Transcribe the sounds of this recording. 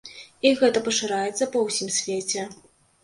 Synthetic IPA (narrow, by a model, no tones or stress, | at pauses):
iɣɛt̪ɐpɐʂɨɾajɛt̪sːɐpɐwsʲimsʲvʲet͡sʲɛ